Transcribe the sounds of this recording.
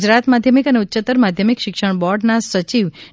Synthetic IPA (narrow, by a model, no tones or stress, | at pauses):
d͡ʒɾat̪mad̪ʱjəmikəneut̪ːʃət̪əɾmad̪ʱjəmikʃɪkʃəɳ̃bɔɾɖnasət͡ʃiʋ